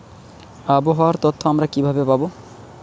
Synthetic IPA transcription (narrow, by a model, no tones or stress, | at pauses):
aboɦɔaɾt̪ot̪ʰːoamɾakibʱabepabo